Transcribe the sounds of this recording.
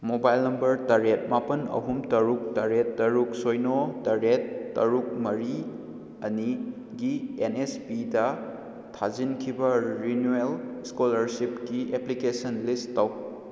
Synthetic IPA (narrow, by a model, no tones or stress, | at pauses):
mobajlnɐmbɐɾtaɾet̚mapɐnɐ̰ɦumtɐɾuk̚taɾetːɐɾuk̚sojnotaɾetːɐ̰ɾuk̚mɐɾi | ɐni | ɡienespidɐ | tʰazinkʰibɐɾinuelskolɐɾsipkiʔeplikesɐnlistaw